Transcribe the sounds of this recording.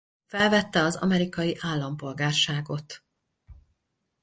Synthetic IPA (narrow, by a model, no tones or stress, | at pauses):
fɛlvɛt̪ːɛɒzɒ̰mɛɾikɒjiʔaːlːɒmpo̞lɡaːrʃaːɡo̞t̪